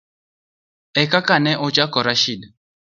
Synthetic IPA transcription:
ɛkakanɛʔɔt͡ʃakɔɾaʃid

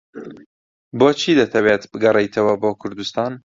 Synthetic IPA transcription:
boːt͡ʃʰiːd̪ɐt̪ʰɐbeːt̪bɨɡɐrejt̪ʰɐwɐboːkʰʊɾd̪ust̪ɑːn

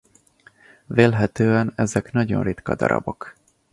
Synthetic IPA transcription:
veːlɦɛt̪øːɛnɛzɛknɒɟo̞̰nrit̪kɒd̪ɒɾɒ̰bo̞k

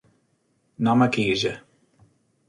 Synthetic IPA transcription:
namakiːʒɛ

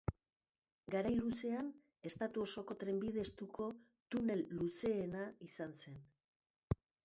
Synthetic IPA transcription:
ɡaɾajluse̞an | e̞st̪at̪uo̞so̞ko̞t̪ɾe̞mbið̞e̞st̪ukʰo̞ | t̪une̞lːuse̞ːnaisanse̞n

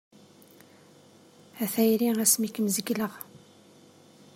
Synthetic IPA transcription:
æθæjɾiæsmikmzəɡləʁ

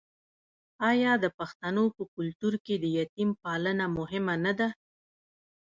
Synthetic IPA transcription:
ɑjɑd̪əpaxt̪anopəkʊlt̪uɾked̪əjat̪impɑlənamʊɦɪmanad̪a

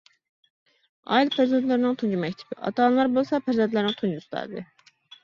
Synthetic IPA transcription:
ɑ̰ilpʰæzæd̪læɾinnot̪ʰund͡ʒumæct̪ʰi̥biʔɑ̰t̪ɑnlˠɑɾbolˠsɑpʰæɾzænd̪læɾnot̪ʰund͡ʒust̪ɑ̰ɾd̪ɨ

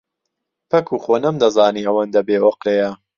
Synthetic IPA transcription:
pʰɐkʰuːxoːnɐmd̪ɐzaːniːɐwɐnd̪ɐbeːwoqlejɐ

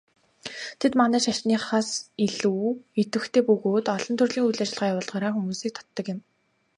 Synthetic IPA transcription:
t̪ʰet̪manæːʃaʃniːχaːsiɮuːet̪wɘ̆xt̪ʰeːpɵɣoːt̪ɔɮɞ̆nt̪ʰɵrɮiːŋujɮat͡ɕɪ̆ɮʁaːjawʊːɮʁaːɾaːxumuːsiːk̚t̪ʰɔ̥t̪ːɞ̆kjɪ̆m

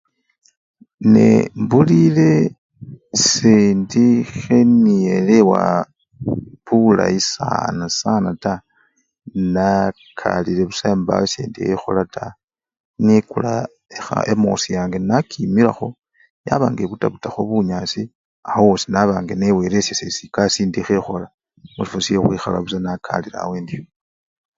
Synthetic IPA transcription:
nḛmbulile̞ | seːndixe̞nijelewa̰ | βula̰isa̰nasanata | na | kʰalile̞βusaemba̰wesḛːndiḛxo̰latʰa | nikula | exa̰emo̞̰sijaːŋɡenakʰimilaxo̞ | jaβaːŋɡe̞βutaβutaxoβuɲasi | ahowosinaβaːŋɡenewe̞ɾesesesikasiːndixexo̞la | musifosiexwixalaβusanakʰa̰liɾa̰ːweːndijo

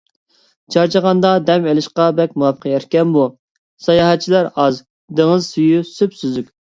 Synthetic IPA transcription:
d͡ʒʰɑɾt͡ʃɑʁɑnd̪ɑd̪ɛmelɪʃqɑbɛkʲmuwɑpʰːə̥qʰjɛɾkʲɛnbu | sɑjɑɦɛt̪̚t͡ʃʰilæɾɑz | d̪eŋɨzsyjysypsyzykʲ

